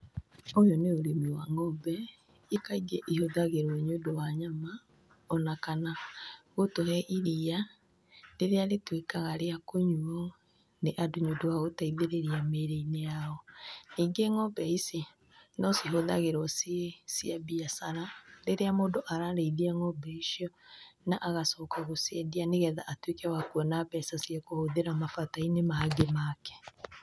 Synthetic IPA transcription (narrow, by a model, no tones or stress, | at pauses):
ojoneoɾemiwaŋɔbɛ | ikaiɡeʔihoðaɣeɾwɔɲodowaɲama | ɔnakanaɣotohɛʔiɾia | neɾeaɾetwekaɣaɾeakoɲuɔ | neʔadoɲodowaɣotaiðeɾeɾiameɾeineaɔniːŋɡeŋɔbɛise | nɔseɦoðaɣeɾɔsesiabiasaɾaɾeɾeamoːdoʔaɾaɾeiðiaŋɔbɛisiɔnaʔaɣasɔːkaɣosɛdianeɣɛðaʔatwekɛwakuɔnabɛsasiɛkohoðeɾamafatainemaːɡemakɛ̥